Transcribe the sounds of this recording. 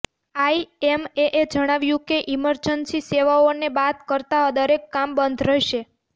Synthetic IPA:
aiemeʔed͡ʒəɽ̃aʋjũkeʔiməɾd͡ʒənsiseʋaonebat̪kəɾt̪ad̪əɾekːambənd̪ʱɾəɦʃe

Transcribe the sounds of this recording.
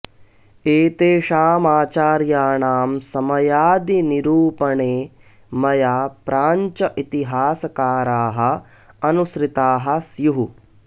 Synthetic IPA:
eːt̪eːʃaːmaːt͡ʃaːɾjaːɳaːmsɐmɐjaːd̪iniɾuːpɐɳeː | mɐjaːpɾʔaːɲt͡ʃɐʔit̪iɦaːsɐkaːɾaːɦɐ̆ | ɐnusɾit̪aːɦɐ̆sjuɦu

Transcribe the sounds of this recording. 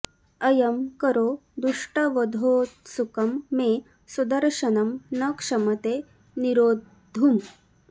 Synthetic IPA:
ɐjɐmkəɾod̪uʂʈɐʋɐd̪ʱoːt̪sukɐmːe | sud̪ɐɾʂɐnɐmnɐkʂɐmɐt̪e | niɾoːd̪ʱum

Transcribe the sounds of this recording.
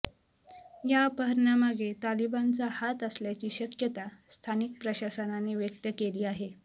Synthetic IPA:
japəɦəɾnjamaɡʱet̪alibant͡sahat̪əsljat͡ɕiːɕəkjət̪ast̪ʰanik̚pɾəɕasənaneʋjək̚t̪əkeliːaɦe

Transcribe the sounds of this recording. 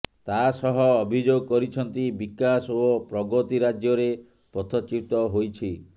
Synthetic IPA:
t̪asɔɦɔːbʱid͡ʒoɡɔkɔɾit͡ʃʰɔnt̪ibikasopɾɔɡɔt̪iɾad͡ʒjɔɾe | pɔt̪ʰɔt͡ʃip̚t̪ɔɦojt͡ʃʰi

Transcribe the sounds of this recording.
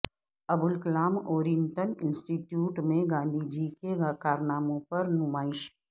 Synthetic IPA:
ɐbʊlkɪlaːmoːɾiɪnʈənɪ̃nsʈiʈjuːʈmẽɡãːnd̪ʱid͡ʒikeɡakaːɾnaːmõpɐɾnʊmaːɪʃ

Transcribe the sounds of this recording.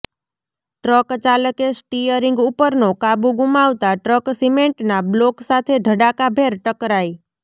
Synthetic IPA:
ʈɾəkt͡ʃaləkesʈijəɾiŋɡupəɾnokabuɡumaʋt̪aʈɾəksimeɳʈnabloksat̪ʰeɖʱəɽakabʱeɾʈəkɾai

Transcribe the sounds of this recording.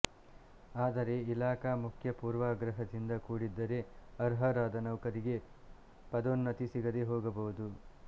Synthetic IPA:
aːd̪ɐɾe̞ilaːkaːmukʰjɐpuːɾʋɐɡɾɐɦɐd̪ind̪ɐkuːɽid̪ːɐɾe̞ɐɾɦɐɾaːd̪ɐnɐwkɐɾiɡe̞ | pɐd̪onːɐt̪isiɡɐd̪eɦoːɡɐbɐʋud̪u

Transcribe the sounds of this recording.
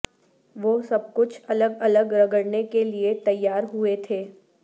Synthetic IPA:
ʋoːsɐb̚kʊt͡ʃʰɐləɡɐləɡɾɐɡəɽnekeliet̪ɐjːaːɾɦuet̪ʰeː

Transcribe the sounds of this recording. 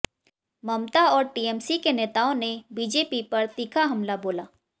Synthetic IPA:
mɐmt̪aɔːɾʈiːɛːmsikeneːt̪aːõnebiːd͡ʒeːpipɐɾt̪iːkʰaɦɐmlaboːlaː

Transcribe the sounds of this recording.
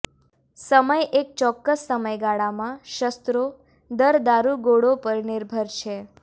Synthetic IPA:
səməjek̚t͡ʃɔkːəsːəməjɡaɭamãʃəst̪ɾo | d̪əɾd̪aɾuɡoɽopəɾnɪɾbʱəɾt͡ʃʰe

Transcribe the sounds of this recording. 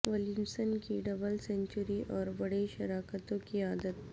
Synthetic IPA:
ʋɐlɪmsənkiɖɐbəlsɛ̃ɲt͡ʃʊɾiʔɔːɾbɐɽeʃɐɾaːkət̪õkiaːd̪ət̪̚

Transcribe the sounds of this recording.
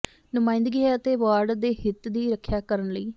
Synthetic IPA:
nʊmãːɪ̃nd̪ɡiːət̪eːʋaːɾɖd̪eːɦɪt̪d̪iːɾəkʰːjaːkəɾənləiː

